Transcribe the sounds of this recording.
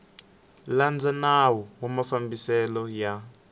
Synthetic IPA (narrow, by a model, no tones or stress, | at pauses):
land͡zanawɔwamafambisɛlɔja